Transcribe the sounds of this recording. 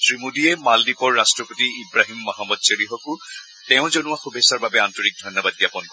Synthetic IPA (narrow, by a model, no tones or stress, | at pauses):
tɹimudiɛmaldipɔɹːastɹɔpotiibɹaɦimːɔɦamɔd̚seɹiɦɔkʊ | tɛʊ̃zonuaxubʱesaɹbabɛantɔɹik̚dʱɔjnːɔbad̚ɡjapɔnk